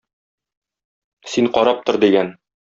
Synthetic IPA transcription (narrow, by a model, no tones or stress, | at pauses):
siɴqɒɾɑp̚t̪oɾd̪iɡæn